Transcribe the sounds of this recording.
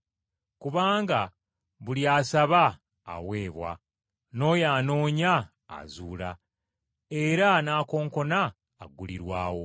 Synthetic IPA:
kuβaːŋɡa | βuljaːsaβa̰ː | we̞ːβwa̰ | no̞jaːno̞ːɲa̰ː | zuːla | eɾanaːko̞ːŋko̞naː | ɡːuliɾwaːwo̞̰

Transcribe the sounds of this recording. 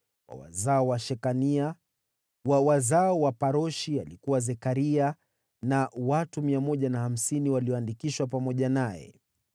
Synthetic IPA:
wa̰wa̰zaɔwaʃɛkania | awazaɔwapaɾɔʃialikuwazɛkaɾia | nawatumiamɔʄanaham̩siniwaliɔandikiʃwapamɔʄanajɛ̰

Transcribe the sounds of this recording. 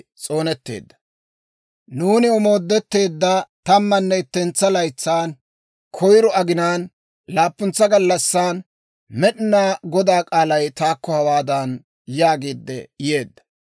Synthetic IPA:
t͡sʼo̞ːnɛt̪ːḛːd̪ːɐ | nuːnɪɔmo̞ːd̪ːɛt̪ːe̞ːd̪ːɐt̪ɐmːɐnːɛɪt̪ːɛnt͡sːɐlɐjt͡sːaːn | kʰɔjɾɔɐɡɪnaːn | laːpːʊnt͡sːɐɡɐlːɐsːaːn | mɛɗɪnaːɡɔd̪aːkʼaːlɐjt̪aːkːɔhɐwaːd̪an | jaːɡeːd̪ːɛ̰je̞ːd̪ːɐ̥

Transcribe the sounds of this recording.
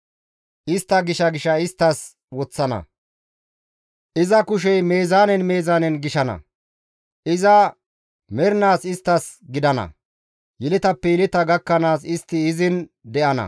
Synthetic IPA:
ʔɪst̪ːɐɡɪʃɐɡɪʃɐɪst̪ːɐs | wɔt͡sːɐnɐ̰ | ʔɪzɐkʊʃ̬ɛjme̞ːzaːnɛnme̞ːzaːnɛnɡɪʃɐnɐ̰ | ʔɪzɐ | mɛɾnaːsɪst̪ːɐsɡɪd̪ɐnɐ̰ | jɛlɪt̪ɐpːɛjɛlɪt̪ɐɡɐkːɐnaːsɪst̪ːɪːzɪnd̪ɛʔɐnɐ̰

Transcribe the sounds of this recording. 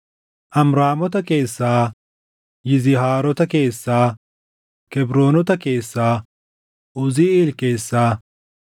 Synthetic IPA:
ʔɐmɾaːmɔt̪ɐkeːsːaː | jɪzɪɦaːɾɔt̪ɐkeːsːaː | kɛbɾoːnɔt̪ɐke̞ːsːaː | ʊzɪiːlkeːsːaː

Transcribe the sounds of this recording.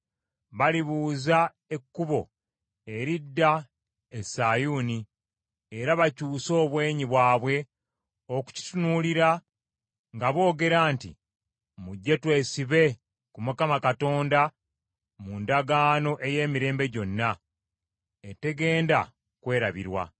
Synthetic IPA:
βaliβuːza | e̞kːuβo̞ | e̞ɾidːa | esajuniː | ɾaβacuːso̞ːβwe̞ːɲiβwaːβwe̞ | oku̥ci̥tunuliɾa | ŋɡaβo̞ːɡe̞ɾaːntḭ | muɟːe̞twe̞ːsiβe̞ | kumukamakato̞ːnda | mundaɡaːno̞ʔe̞je̞ːmiɾe̞ːmbe̞ɟo̞nːa | ete̞ɡe̞ːnda | kwe̞ːɾaβḭɾwa̰

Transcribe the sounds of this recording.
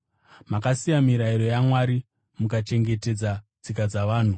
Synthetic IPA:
makasijamiɾaiɾo̞jamwaɾi | mukat͡ʃe̞ŋɡe̞te̞d͡zad͡zikad͡zaʋaːn̤u

